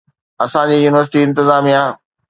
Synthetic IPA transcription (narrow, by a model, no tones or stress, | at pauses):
ɐsãd͡ʑiːjuːnɪʋəɾs̬ɪʈiɪ̃nt̪ɪzaːmiã